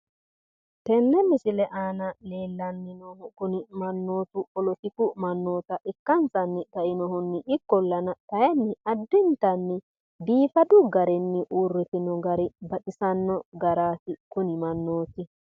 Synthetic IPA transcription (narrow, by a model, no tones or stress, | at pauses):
t̪ɛnːɛmɪsɪlɛʔaːnɐle̞ːlːɐnːɪnɔhkʊnɪmɐnːoːt̪ʊɔlɔt̪ɪkʊmɐnːoːt̪ɐʔɪkːɐnt͡sɐnːɪkɐʔɪnɔhʊnːɪʔɪkːɔlːɐnɐtɐjɛnːɪɐd̪ːɪnt̪ɐnːɪ | biːfɐd̪ʊɡɐɾɛnːɪʔuːrːɪt̪ɪnɔɡɐɾɪbɐɗɪsɐnːɔɡɐɾaːt̪ɪkʊnɪmɐnːoːt̪ɪ